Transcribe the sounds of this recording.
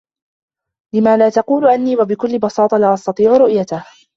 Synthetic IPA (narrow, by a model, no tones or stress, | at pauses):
lɪmaːlaːt̪ɑquːlʊʔanːiːwabɪkʊlːɪbɑsɑːt̪ˤɑlaːʔɑst̪ɑt̪ˤiːʕʊɾʊʔjat̪ah